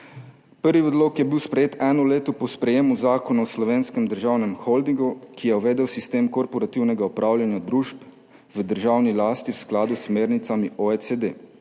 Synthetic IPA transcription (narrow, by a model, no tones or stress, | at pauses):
pəɾʋiɔd̪loːkjɛbiwspɾɛjeːt̪ɛːnɔleːt̪ɔpɔspɾɛjeːmuzaːkɔnaɔslɔʋeːnskɛmd̪əɾʒaːwnɛmxɔld̪iŋɡukijɛɔʋɛːd̪ɛwsist̪eːmkɔɾpɔɾat̪iwnɛɡaɔpɾʔaːwljanjad̪ɾuːʃp | ʋəd̪əɾʒaːwnilaːst̪iwsklaːd̪usmeːɾnit̪samiʔɔesed̪eː